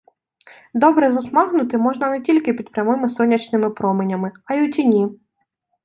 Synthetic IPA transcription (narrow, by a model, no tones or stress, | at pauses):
d̪ɔbɾɛzɐsmɑɦnʊt̪ɪmɔʒnɐnetʲilʲkɪpʲid̪̚pɾʲɐmɪmɪsɔnʲːɐt͡ʃnɪmɪpɾɔmenʲɐmɪɐjʊtʲinʲi